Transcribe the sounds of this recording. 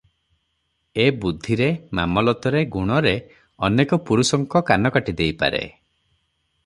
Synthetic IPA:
ebud̪ʱːiɾemamɔlɔt̪ɔɾeɡuɽ̃ɔɾe | ɔnekɔpuɾusɔŋkɔkanɔkaʈid̪ejpa̰ɾḛ

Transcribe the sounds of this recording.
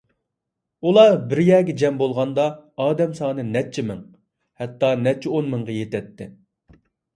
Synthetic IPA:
ulˠɑbɪɾjɛɡʲɛd͡ʒɛmbolˠʁɑnd̪ɑːd̪ɛmsɑːnɨnɛt͡ʃʰːimɪŋ | hɛt̪ːɑnɛt͡ʃʰːɪonmɨŋʁɑjet̪ɛt̪ːɪ̰

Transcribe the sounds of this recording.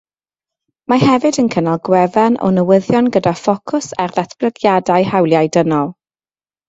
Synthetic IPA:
mahɛvɨdənkʰənalˠɡwɛvɛnʔɔ̰nəwəðjɔnɡədafɔkʰʊsa̰rðɛθb̥lˠəɡjadajhawlˠjajdənɔlˠ

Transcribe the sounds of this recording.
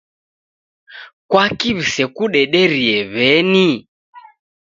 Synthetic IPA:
kwakiβisɛkuɗɛɗɛɾiɛβɛni

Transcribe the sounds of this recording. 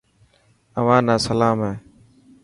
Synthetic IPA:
əʋãːnãːsəlaːmɦeː

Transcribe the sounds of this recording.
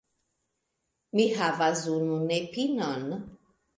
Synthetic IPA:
mihavazununepinɔn

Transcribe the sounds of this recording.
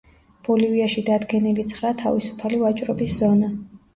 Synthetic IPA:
b̥ɔliviaʃid̪ad̪ɡɛnilit̪sʰχɾat̪ʰa̰visu̥pʰalivat͡ʃʼɾɔbisz̥ɔna

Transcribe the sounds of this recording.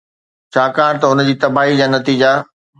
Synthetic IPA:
t͡ɕʰaːkãːɽ̃t̪ɐɦʊnəd͡ʑiːt̪ɐbaːɦid͡ʑaːnɐt̪iːd͡ʑa

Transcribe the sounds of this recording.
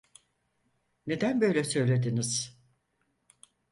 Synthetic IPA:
ne̞d̪ænbø̞jlʲɛsø̞jlʲe̞d̪iniz̥

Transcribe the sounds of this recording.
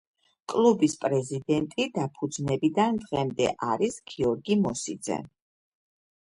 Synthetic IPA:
kʼlˠubispʼɾɛzid̪ɛnt̪ʼid̪apʰud̪znɛbid̪and̪ʁɛmd̪ɛ̰ʔaɾisɡ̥iɔɾɡimɔsid̪zɛ̰

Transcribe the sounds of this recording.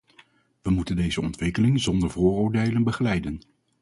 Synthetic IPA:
ʋəmutəndejzəɔntʋɪkəlɪŋzɔndəɹvʊːroːɹdejlənbəχəlɛjdən

